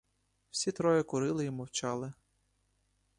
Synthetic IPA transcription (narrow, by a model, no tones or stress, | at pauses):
w̥sʲit̪ɾɔjɛkʊɾɪlˠɪimɔwt͡ʃɑlˠɪ